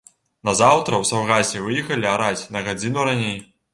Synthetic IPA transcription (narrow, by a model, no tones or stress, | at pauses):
nɐzawt̪ɾɐwsawɣasʲɛvɨjɛxɐlʲiaɾat͡sʲnɐɣad͡zʲinuɾanʲej